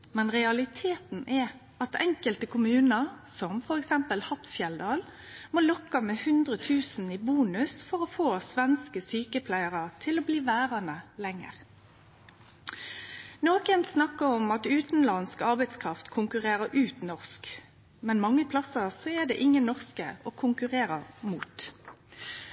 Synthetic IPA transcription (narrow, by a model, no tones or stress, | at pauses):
mɛnʁɛɑlɪt̪ʰeːt̪n̩ɛ | ɑt̪ʰɛŋkəlt̪əkʰʊmʉːnəʁsɔmfɔɾɛksɛmpəlhɑt̪fjɛld̪ɑːl | moːlɔkːɑmɛhʉnd̪ʁət̪ʰʉːsn̩iːbuːnʉsfɔʁofoːsʋɛnskəsyːkəpʰlæɪəʁət̪ʰɪlobliːʋæːʁɑnəlɛŋːə̰ʁ | noːkənsnɑkːəʁɔmɑt̪ʉːt̪n̩lɑnskɑʁbɛɪd̪skʰʁɑft̪kʰʊŋkʉʁeːʁəʔʉːt̪nɔʁsk | mɛnmɑŋːəpʰlɑsəsɔɛd̪ɛ̰ʔɪŋːənːɔʁskə̰ɔːkʰʊŋkʉʁeːʁəmuːt̪